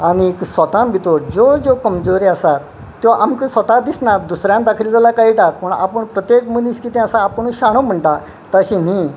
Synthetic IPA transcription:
aɽ̃iksʋət̪ãmbit̪oɽd͡zod͡zokəmd͡zoɾiasat̪ː | joʔamkisʋət̪ad̪isnad̪usɾjãnd̪akʰild͡zəlakaɦiːʈat̪pəɳa̰pəɳpɾət̪jekməniskit̪ĩasaːpəɳ̃ũɕaɽ̃om̤əɳʈa | t̪əɕini

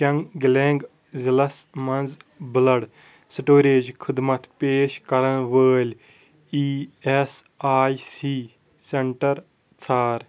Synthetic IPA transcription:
t͡ʃɐŋɡɡlẽːŋɡ | zilɐsmɐnd͡zbɪlɐɽ | siʈoːɾeːd͡ʒkʰɪd̪mɐt̪ʰpeːʃkɐɾɐñʋəːlʲ | iːes | aːjsiː | seɳʈɐɾ | t͡sʰaːɾ

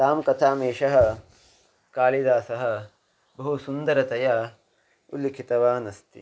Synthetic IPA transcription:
t̪aːmkɐt̪ʰaːmeːʃɐɦɐ̆ | kaːlid̪aːsɐɦɐ̆ | bɐɦusund̪ɐɾɐt̪ɐja | ṵlːikʰit̪ɐʋaːnɐst̪ḭ

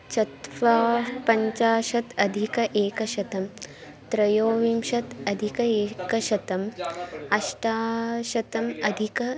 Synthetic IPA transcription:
t͡ʃɐt̪ʋaːpɐɲt͡ʃaːʃɐt̪ɐd̪ʱikɐʔeːkɐʃɐt̪ɐm | t̪ɾɐjoːʋimʃɐt̪ɐd̪ʱikɐeːkɐʃɐt̪ɐmɐʃʈaːʃɐt̪ɐmɐd̪ʱikɐ

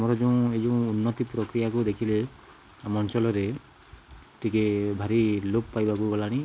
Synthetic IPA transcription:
mɔɾɔd͡ʒɔw̃ed͡ʒɔ̃w̃unːɔt̪ipɾɔkɾijakud̪ekʰile | amɔnt͡ʃɔlɔɾe | ʈʰikebʱaɾiloppajbakuɡɔlaɽ̃i

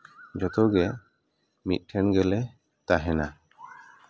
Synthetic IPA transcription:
d͡ʒɔt̪ɔɡɛ | mḭt̪̚ˀʈʰɛnɡɛlɛ | t̪aɦɛna

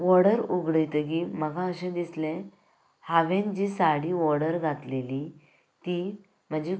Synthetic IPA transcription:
ʋɔɽəɾuɡɽəjt̪əɡiməɡãəɕɛ̃d̪islɛ̃ | haʋẽnd͡ʑisaɽiːʋɔɽəɾɡʱat̪leli | t̪i | m̤əd͡ʑe

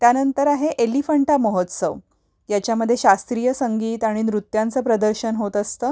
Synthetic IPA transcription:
t̪janənt̪əɾaɦeʔelifəɳʈaməɦət̪sə̰ʋ | jat͡ɕjaməd̪ʱːjeɕast̪ɾijəsəŋɡiːt̪aɽ̃inɾut̪jant͡səːpɾəd̪əɾɕənɦot̪əst̪əː

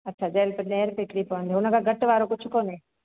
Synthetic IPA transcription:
ɐtːt͡ʃʰad͡ʒɛːlpɐɾneːɾpekɽipɔnd̪ɦoːnãkaɡɐʈʋaːɾokʊt͡ʃʰkoːnẽː

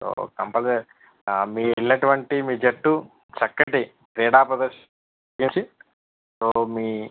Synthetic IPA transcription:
so̰ːkɐmpɐle | miːilːɐʈuʋɐɳʈimiːd͡ʒeʈːu | t͡ʃɐkːɐʈi | ɾeːɽaːpɐd̪ɐʃ | kimsi | soːmiː

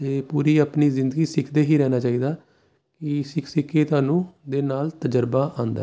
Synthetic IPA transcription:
t̪eːpuːɾiːaːpniːzɪ̃nd̪əɡiːsɪkʰd̪eːɦiːɾɛːnaːt͡ʃaːiːd̪aː | kɪsɪksɪkʰeːt̪ʊaːnũːd̪eːnaːlt̪əd͡ʒəɾbaːʔãːnd̪a̰

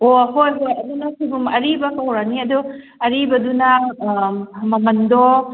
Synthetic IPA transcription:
oɦojbeɐdunɐkʰibumɐɾibɐkɐwɾaniɐdu | ɐɾibɐdunɐ | mɐmɐndɔ

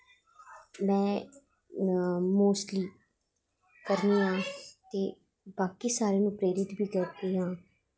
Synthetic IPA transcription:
mɛ̃ː | moːsʈliː | kəɾniːɦãːt̪eː | baːkiːsaːɾeːnũːpɾeːɾɪt̪bʱiːkəɾd̪eːɦãː

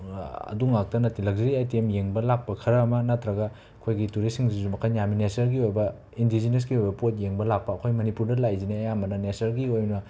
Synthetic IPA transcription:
ɐ̰duŋak̚tɐnɐtilɐk̚ziɾiajtemjeŋbɐlak̚pɐkʰɐɾɐːmɐnatʰɾɐɡɐ | ɐkʰojɡituɾisiŋzizumɐkʰanjaminesɐɾɡiojbɐ | indizines̬ɡiojbɐpot̚jeŋbɐlak̚pɐːkʰojmɐnipuɾdɐlajzineɐjamɐnɐnesɐɾɡiojnɐ

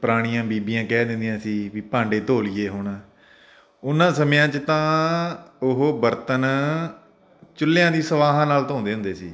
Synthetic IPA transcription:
pəɾaːɽ̃ijãːbiːbɪjãːkɛːd̪ɪ̃nd̪ijãːsiːʋiːpãːɳɖeːt̪oːlijeːɦʊɳ | ʊnãːsəmejãːt͡ʃət̪ãː | ʊɦoːbəɾt̪ən | t͡ʃʊlːejãːd̪iːsəʋaːɦãːnaːlt̪õːʊ̃nd̪eːɦʊ̃nd̪eːsḭː

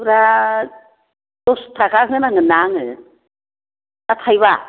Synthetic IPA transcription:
ɾa | d̥ɔstaɡaɦɯnaŋɯnaŋɯ | tat̪ʰajβa

